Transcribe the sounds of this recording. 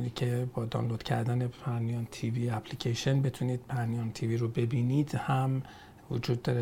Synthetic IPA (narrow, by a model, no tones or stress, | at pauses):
nicʰebɒːd̪ɒ̰ːnlod̪̥cʰæ̰ɾd̪æne̞pʰænijɒːnt̪ʰiviːæpʰlicʰeʃenbe̞t̪ʰuniːd̪̥̚pʰænijɒːnt̪ʰiviɾobe̞biːniːd̪hæm | vo̰d͡ʒuːd̪̚ːɒːɾe